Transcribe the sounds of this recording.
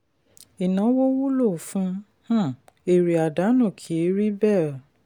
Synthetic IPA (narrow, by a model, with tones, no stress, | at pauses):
i˨nã˨˦wo˦wu˦lo˦˨fũ˨˦ | h̩˦˨e˨ɾi˨a˨da˨˦nũ˦˨kʰi˨˦ɾi˦bɛ˦˨